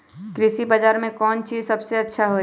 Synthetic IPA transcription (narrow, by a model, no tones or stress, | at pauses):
kɾɪsibaːd͡ʒaːɾmẽkɔːnt͡ʃiːzsɐbseɐtːʃʰaɦo